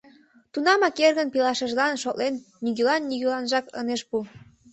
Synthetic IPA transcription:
t̪unɑmɑkerɣənpilɑʃəʒlɑnʃoʔlenːiɣylɑnːiɣylɑnʒɑkə̰neʃpu

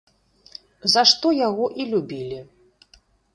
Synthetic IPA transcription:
zaʂt̪ɔjaɣɔʔilʲubʲilʲi

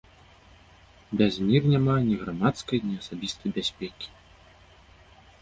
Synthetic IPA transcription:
bʲazʲmʲirnʲamanʲiɣɾamat̪skɐjnʲiasabʲist̪ɐjbʲasʲpʲɛkʲi̥

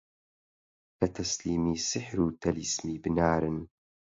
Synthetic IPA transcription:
kɐt̪ʰɐsliːmiːsɪħɾuːt̪ʰɐlismiːbɨnaːɾɨn

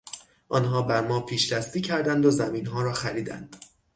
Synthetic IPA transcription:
ʔɒːnɦɒːbæɾmɒːpʰiːʃɾæst̪iːcʰæɾd̪ænd̪ozæminɦɒːɾɒːxæɾiːd̪æ̰nd̪̥

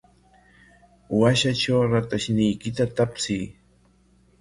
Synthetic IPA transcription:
waʃat͡ʃawɾat̪aʃnɪjkɪt̪at̪apsɪj

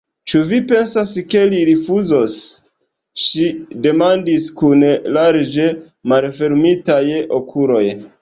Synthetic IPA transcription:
t͡ʃuvipe̞nsaske̞liɾifuzo̞s | ʃide̞mandiskunlaɾd͡ʒe̞ | malfe̞ɾmitajokʰulo̞j

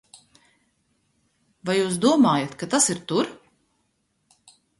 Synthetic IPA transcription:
vajuːs̬d̪uɔmaːjat̪kat̪asiɾt̪uɾ

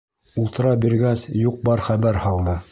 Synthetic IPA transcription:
ulˠt̪ɤ̆ɾɑbiɾɡæsjuq̚bɑɾχæβæɾhɑlˠnɤ

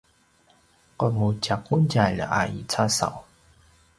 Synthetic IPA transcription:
kɔtmut͡ɕakːunt͡ɕajlə̰ʔa̰ḭt͡sʰasa̰w

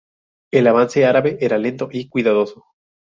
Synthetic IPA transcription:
e̞laβ̞anse̞aɾaβe̞ʔe̞ɾale̞nt̪o̞ʔikwiðaðo̞so

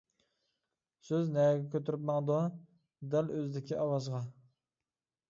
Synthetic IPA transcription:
søznɛɡʲɛkʲʰøt̪yɾɪpmɑŋd̪ɑ | d̪æløzd̪ɪkʲʰiʔɑwɑzʁɑ

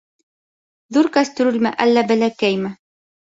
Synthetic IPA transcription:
ðuɾkæst̪ɵ̆ɾɘlmæʔælːæbælækæjmɘ

